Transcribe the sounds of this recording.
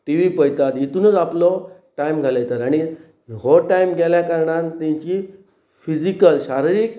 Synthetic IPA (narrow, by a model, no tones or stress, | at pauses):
ʈiʋipəjt̪at̪jit̪uːnət͡saplɔʈajmɡʱalajet̪aɾaɽ̃i | ɦoʈajmɡʱɛljakaɾɳant̪ɛ̃t͡ɕi | fid͡ʑikəlɕaɾiɾiːk̚